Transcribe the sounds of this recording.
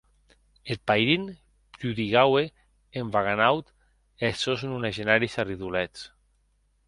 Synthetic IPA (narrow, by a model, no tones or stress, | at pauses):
et̪̚pajɾin | pɾuðiɣawe | eɱvaɣanawt̪ | esoznunaʒenaɾisariðulɛt͡s